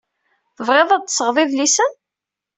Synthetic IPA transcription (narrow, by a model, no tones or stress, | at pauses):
θəvʁeðˤæ̥səʁðˤɪðlisən